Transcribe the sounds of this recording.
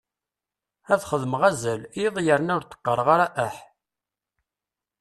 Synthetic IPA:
æðχəðəmʁæzæliðˤjəɾənʊɾt̪ːə̥qːəɾˤəʁaɾæʔæħ

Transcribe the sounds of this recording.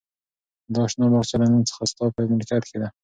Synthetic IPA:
d̪əɑʃnɑbaɣt͡ʃalamənt͡sə̥xast̪ɑpəamlkat̪kʰed̪a

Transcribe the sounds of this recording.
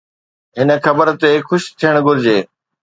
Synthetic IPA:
ɦɪnə̆xʰɐbəɾt̪exʊʃt̪ʰijəɽ̃ɡʱʊɾd͡ʑeː

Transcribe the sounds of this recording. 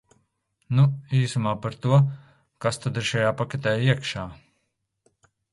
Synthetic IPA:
nuiːsumaːpaɾt̪uɔ | kast̪ad̪iɾʃajaːpakɛt̪ɛːjiɛkʃaː

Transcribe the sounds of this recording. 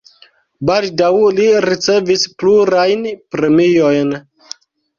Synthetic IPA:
baldawliɾit͡se̞vispluɾajnpɾe̞mio̞jn

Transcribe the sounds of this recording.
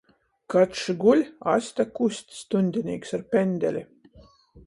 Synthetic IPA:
kat̪ʃɡulʲa̰sʲt̪ʲakusʲt̪ʲst̪unʲd̪ʲinʲḭːksaɾpʲenʲd̪ʲɛlʲi

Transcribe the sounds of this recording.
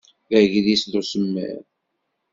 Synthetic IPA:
ðæʝðisðusəmːæ̰ɾ

